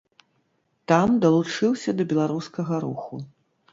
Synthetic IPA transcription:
t̪amd̪ɐlˠut͡ʂɨwsʲɐd̪ɐbʲɛlˠaɾuskɐɣɐɾuxu

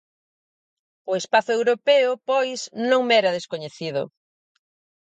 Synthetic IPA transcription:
ʊespaθʊewɾopɛʊpojsnõŋmɛɾɐðeskoɲeθiðʊ̰

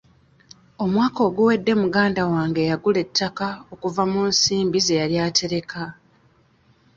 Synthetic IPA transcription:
o̞mwaːko̞ːɡwuwe̞dːe̞muɡaːndawaːŋɡejaɡule̞tʰːakao̞kuvamuːnsiːmbize̞jaɾjaːte̞ɾe̞kʰa

